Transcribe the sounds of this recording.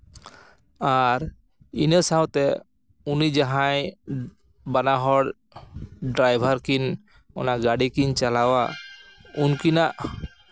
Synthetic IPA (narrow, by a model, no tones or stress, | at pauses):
aɾ | inəsawt̪ɛ | unid͡ʒaɦaj | banaɦɔɽ | ɖɾajbʱaɾkin | ɔ̰naɡaɽikint͡ʃalawa | unkinaʔ